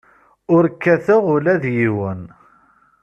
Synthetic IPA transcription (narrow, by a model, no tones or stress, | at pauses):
ʊɾkːæθəʁʊlæðjiwən